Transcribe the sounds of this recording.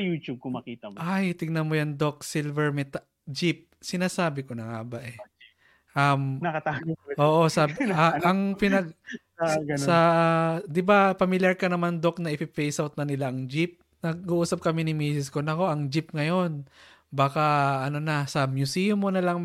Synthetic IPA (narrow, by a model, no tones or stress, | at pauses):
juːt͡ʃub̚komɐkiːt̪ɐmajt̪ɪɡnɐnmojɐŋd̪ok̚silvɛɹmɛt̪a | d͡ʒɪp̚sɪnaːsaːbɪko̞nɐŋa̰baʔɛ | ʔɐmnɐkɐt̪aːɡoʔoːʔosabaɐŋpɪnɐɡ̚ | ɡɐsɐd̪ɪbapɐmɪljɐɹkɐnɐmand̪o̞k̚nɐʔɪpɪpejsʔawt̪̚nɐnɪlaʔɐŋd͡ʒɪp̚ | nɐɡ̚uʔuːsɐp̚kɐminɪmiːsɪskonɐko̞ʔɐŋd͡ʒɪp̚ŋɐjo̞n | baːkɐʔɐno̞nɐsɐmjʊsijʊmːonɐlɐŋ